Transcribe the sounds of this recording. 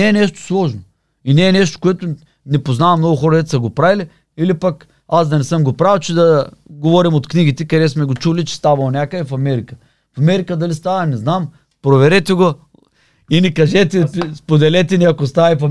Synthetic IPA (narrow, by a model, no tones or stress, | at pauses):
ɛːnɛʃt̪o̥slˠɔʒno | inɛːnɛʃt̪o̥koɛt̪o | nɛpoznavɐmnɔɡʊxɔɾɐd̪ɛt̪ɛ̥sɐɡopɾavili | ilipak | azd̪ɐnɛsəmɡopɾawt͡ʃɛd̪ɐɡovɔɾimot̪kniɡit̪ɛkɐd̪ɛsmɛɡot͡ʃulit͡ʃɛ̥st̪avɐlˠonʲakəɛfɐmɛɾikə | fɐmɛɾikəd̪ɐlist̪avɐnɛznam | pɾovɛɾɛt̪ɛɡo | inikɐʒɛt̪ɛspod̪ɛlɛt̪ɛniɐkost̪avɛfɐ